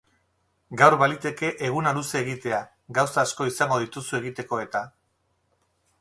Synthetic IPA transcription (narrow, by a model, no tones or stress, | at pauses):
ɡawɾβalit̪e̞ke̞ʔeɣ̞unaluse̞ːɣit̪e̞a | ɡawsaːsko̞isaŋɡo̞ð̞it̪usue̞ɣit̪e̞ko̞e̞t̪a